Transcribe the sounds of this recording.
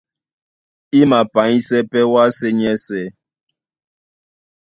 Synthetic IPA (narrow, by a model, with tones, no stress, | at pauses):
i˦ma˨pa˨˦i˦sɛ˦pɛ˦wa˦sɛ˦ɲɛ˦sɛ˦